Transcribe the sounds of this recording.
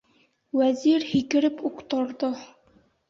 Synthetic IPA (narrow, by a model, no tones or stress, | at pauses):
wæziɾhikɘ̆ɾɘpuqt̪ɤ̆ɾðɤ